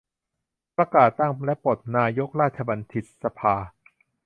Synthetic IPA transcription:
pɾa˧kaː˨˩t̪ːaː˥˩ŋlɛ˦˥po˨˩t̪̚naː˧jo˦˥k̚ɾaː˥˩t̪̚t͡ɕʰa˧ba˧nt̪ʰi˨˩t̪̚sa˧pʰaː˧

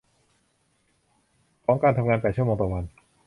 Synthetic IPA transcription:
pʰɔː˦˥ŋkaː˧nt̪ʰa˧ŋaː˧npɛː˨˩t̪̚t͡ɕmː˧ŋt̪ɔː˨˩wa˧n

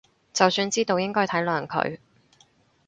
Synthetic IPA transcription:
t͡sɐ˨wsyː˧nt͡siː˥t̪o˧wjɪ˥ŋkɔː˥jt̪ʰɐ˨˥jlœː˨˩ŋkʰɵ̰˨˧ɥ

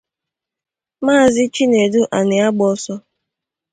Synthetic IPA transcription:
maː˦˨zɪ˦t͡ʃi˦ne˨du˦ʔa˨nɪ˨a˦ɡ͡bɔ˦sɔ˦

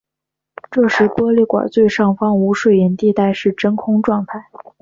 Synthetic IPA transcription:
ʈ͡ʂɤ˥˩ʂɻ̩˧˥kwɔ˥li˥˩kwa̰˨˩t͡swe˥˧ɪʂɑ˥˩ŋfɑ˥ŋu˧˥ʂwe˥˩i˧˥nt̪i˥˧t̪a˥˧ɪʂɻ̩˥˩ʈ͡ʂə˥nkʰʊ˥ŋʈ͡ʂwɑ˥˧ŋt̪ʰa˥˩ɪ

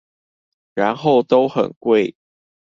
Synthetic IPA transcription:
ɻa˧˦nxo˥˨ʊt̪o˦ʊxə̰˨˩nkwe˥˨ɪ

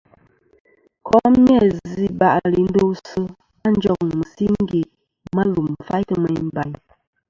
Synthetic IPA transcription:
kʰɔ˦m˦ɛ˦˨zi˦ba˨ʔli˨n̩˦do˦wsə˦ | a˦˨n̩˦d͡ʒɔ˦k̚n˨mə˨si˦ŋŋ̩˦ɡe˨ | ma˦lu˨m˨fa˦jtə˦mə˨jm˦ba˨ɲ

